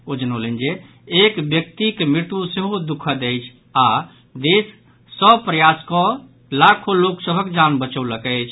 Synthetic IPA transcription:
od͡ʒənolend͡ʒe | ekbjək̚t̪ikemɾɪt̪useɦod̪ukʰəd̪ɛjt͡ʃʰ | a | d̪esː | əbpɾəjaskɔ | lakʰoloksəbʱəkd͡ʒanbət͡ʃəwləkɛt͡ʃʰ

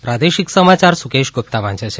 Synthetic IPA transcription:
pɾad̪eʃiksəmat͡ʃaɾsukeʃɡop̚t̪aʋãnt͡ʃat͡ʃʰe

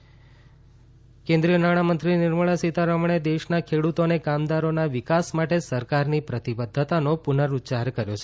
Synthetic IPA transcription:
kẽnd̪ɾijənaɽ̃amənt̪ɾinɪɾməɭ̃asit̪aɾəmɳ̃ed̪eʃnakʰeɽut̪onekamd̪aɾonaʋɪkasmaʈesəɾkaɾnipɾət̪ibəd̪ʱːət̪anopunəɾut͡ʃaɾkəɾjot͡ʃʰe

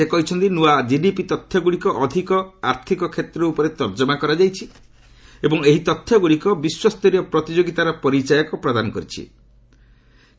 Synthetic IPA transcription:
sekɔɦit͡ʃʰɔnt̪inuad͡ʒidipit̪ɔt̪ʰːjɔɡuɽikɔʔɔd̪ʱikɔaɾt̪ʰikɔkʰet̪ɾɔupɔɾet̪ɔɾd͡ʒɔmakɔɾad͡ʒajt͡ʃʰi | ebɔŋeɦit̪ɔt̪ʰːjɔɡuɭikɔbiswɔst̪ɔɾiɔpɾɔt̪id͡ʒoɡit̪aɾɔpɔɾit͡ʃajɔkɔpɾɔd̪anɔkɔɾit͡ʃʰḭ

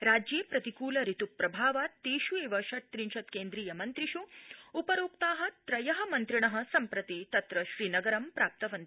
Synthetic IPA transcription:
ɾaːd͡ʒjeːpɾɐt̪ikuːlɐɾit̪upːɾɐbʱaːʋaːt̪iːʃueːʋɐʃɐʈ̚t̪ɾinʃɐt̪keːnd̪ɾiːjɐmɐnt̪ɾiʃuupɐɾoːkt̪aːɦɐt̪ɾɐjɐɦɐmɐnt̪ɾiɳɐɦɐ̆sɐmpɾɐt̪it̪ɐt̪ɾɐʃɾiːnɐɡɐɾɐmpɾaːp̚t̪ɐʋɐnt̪i̥

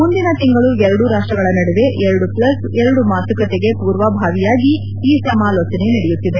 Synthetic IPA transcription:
mund̪inɐt̪iŋɡɐɭuɛɾɐɽuɾaːʂʈɾɐɡɐɭɐnɐɽɛʋe̞ʔɛɾɐɽuplɐs | ɛɾɐɽumaːsɐkɐt̪eɡe̞puːɾʋɐbʱaːʋijaːɡi | iːsɐmaːloːt͡ʃɐne̞nɐɽɛjut̪ːid̪e̞

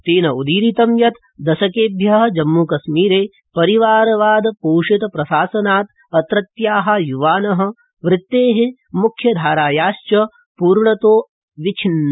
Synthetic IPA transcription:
t̪eːnɐud̪iːɾit̪ɐmjɐt̪ | d̪ɐʃɐkeːbʱjɐɦɐ̆d͡ʒɐmːukɐsmiːɾeː | pɐɾiʋaːɾɐʋaːd̪ɐpoːʂit̪ɐpɾɐʃaːsɐnaːt̪ | ɐt̪ɾɐt̪jaːɦɐjuʋaːnɐɦɐ̆ | ʋɾɪt̪ːeːɦe | mukʰːjɐd̪ʱaːɾaːjaːʃt͡ʃɐ | puːɾɳɐt̪oː | ʋit͡ʃʰinː

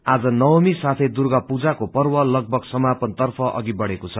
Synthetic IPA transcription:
ad͡zʌnʌwʌmisat̪ʰejd̪urɡʌpud͡zakopʌrwʌlʌɡ̚bʱʌɡsʌmapʌnt̪ʌrpʰʌʔʌ̰ɡibʌɽekot͡sʰʌ

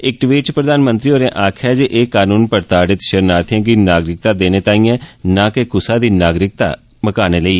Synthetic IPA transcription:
ɪk̚ʈʋiːt͡ʃpɾəd̪aːnmə̃nt̪ɾiːoːɾẽːʔaːkʰɛːd͡ʒeʔeːkaːnuːnpəɾt̪aːɖɪt̪ʃəɾnaːɾt̪ʰãːkiːnaːɡɾɪk̚t̪aːd̪eːneːt̪aːĩːɛ̃ːnãːkekʊsaːd̪iːnaːɡɾɪk̚t̪a̰ː | məkaːneːləiː

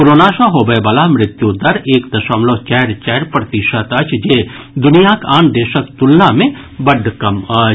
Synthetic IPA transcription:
kʊɾoːnaːʃɐ̃ɦobɐjbɐlamɾɪt̪jud̪ɐɾeːkd̪ɐʃəmloːt͡ʃɛːɾt͡ʃɛːɾpɾɐt̪iʃət̪ɐt͡ʃd͡ʒeː | d̪ʊnijakaːnd̪eːʃəkt̪ʊlnamẽ | bɐɖʱkɐmɐ

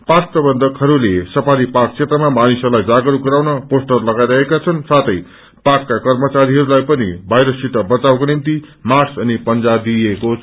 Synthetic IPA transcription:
pasprʌbʌnd̪ʱʌkɦʌɾulesʌpʰaɾipakt͡sʰet̪rʌmamanisʌlajd͡zaɡɾuɡʌɾawnʌposʈʌrlʌɡajɾʌɦekat͡sʰʌnsat̪ʰʌj | pakːakʌrmʌt͡saɾiɦʌɾulajpʌnḭbʱʌjɾʌsiʈ̪ʌbʌt͡sawkonimt̪imasʌnipʌnd͡zad̪ieko

